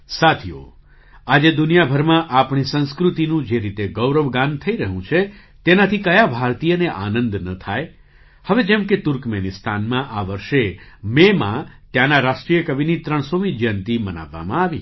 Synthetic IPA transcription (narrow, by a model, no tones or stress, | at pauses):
sat̪ʰijo̰ | ad͡ʒed̪unijabʱəɾmãʔapɳ̃isə̃nskɾut̪inũd͡ʒeɾit̪eɡəwɾəʋɡãnt̪ʰəiɾəɦũt͡ʃʰe | t̪enat̪ʰikəjabʱaɾt̪ijəneʔa̰nə̃nd̪nət̪ʰaj | həʋed͡ʒɛmket̪uɾkmenist̪ʰanmãʔaʋəɾʃememã̰t̪jãnaɾaʃʈɾijəkəbinit̪ɾəɳ̃somid͡ʒjənt̪iməna̰ʋːa̰mãaʋḭ